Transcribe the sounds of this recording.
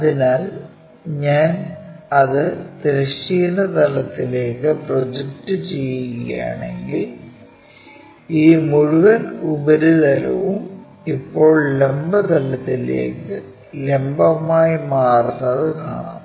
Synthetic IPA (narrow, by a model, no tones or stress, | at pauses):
ɐðinaːl | ɲaːnɐðɨt̪iɾɐɕiːnɐt̪ɐlɐt̪ːile̞ːkːɨprod͡ʑektːɨt͡ɕejuɣɐja̰ːɳe̞̰ŋɡil | iːmuɻuʋɐnubɐɾuðɐlɐ̰ʋum | ipːo̞ːɭlembɐt̪ɐlɐt̪ːilḛːkːɨ | lembɐmaːjimaːrunːɐðɨka̰ːɳa̰ːn